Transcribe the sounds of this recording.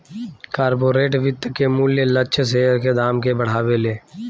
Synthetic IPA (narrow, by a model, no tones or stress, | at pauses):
kaːɾboːɾeːʈʋɪt̪ːkemuːljələt͡ʃʰs̬eɾked̪aːmkebəɽ̤aːʋeleː